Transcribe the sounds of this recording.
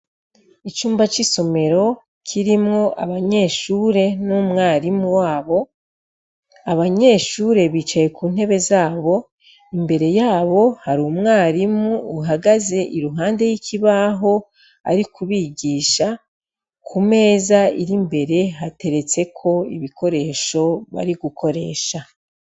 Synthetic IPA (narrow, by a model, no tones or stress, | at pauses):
it͡ʃuːmbat͡ʃiso̞me̞ɾo̞ | kʰiɾimŋo̞ʔaβaɲe̞ːʃuːɾe̞numŋaːɾimuwaːβo̞ | aβaɲe̞ːʃuːɾe̞βiːt͡ʃaje̞kuːn̥he̞βe̞zaːβo̞ | imbe̞ɾe̞jaːβo̞haɾuːmŋaːɾimuːɦaɡaze̞ʔiɾuɦaːnde̞jikʰiβaːɦo̞ | a̰ɾikuβiɡiːʃa | kʰume̞ːzaiɾimbe̞ɾe̞ɦate̞ɾe̞t͡se̞kʰo̞ḭβikʰo̞ɾe̞ːʃo̞βa̰ɾiɡukʰo̞ɾe̞ːʃa